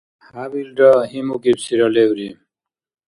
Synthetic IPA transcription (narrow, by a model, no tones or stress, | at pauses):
haβilɖʌɦimukipsiɾʌlewɾi